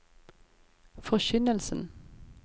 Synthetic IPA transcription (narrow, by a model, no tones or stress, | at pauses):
fɔçʏnəlsən̩